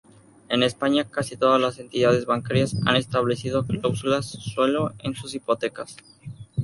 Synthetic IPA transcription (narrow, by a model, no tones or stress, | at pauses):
e̞ne̞spaɲakasit̪o̞ðazlase̞nt̪iðað̞e̞zβaŋkaɾjasa̰ne̞st̪aβle̞siðo̞klawsulasːwelo̞ḛnsus̬ipo̞t̪e̞kas